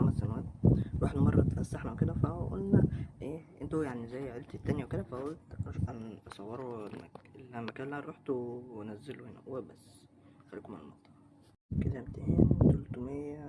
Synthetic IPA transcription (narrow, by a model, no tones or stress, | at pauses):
amːæsænwæːt̪wʔeħd̪umɑrˤːɑ̰t̪fæsːaħnæweked̪æfæʔo̰lnæʔeːʔent̪ojaʕnizæjːʕelt̪it̪ːænjæwked̪æfæolt̪ʔænɑsˤɑwːeɾˤoenːæ̰kelæmːækæːlːæhæɾˤoħt̪owænæzːelohenæ̰webæsː | xælːiːkomenḛlmɑʔt̪ˤːɑ | ked̪æmt̪eːmt̪olt̪umejːæ